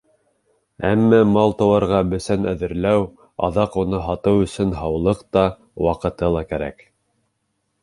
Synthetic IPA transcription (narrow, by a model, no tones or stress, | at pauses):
æ̰mːæmɑlˠt̪ɑ̆wɑɾʁɑbɵ̆sænæðɘ̆ɾlæw | ɑ̰ðɑqunɤɦɑt̪ɤwɵ̆sɵnɦɑwlˠɤqt̪ɑ | wɑqɤ̆t̪ɤlˠɑkæɾæ̰k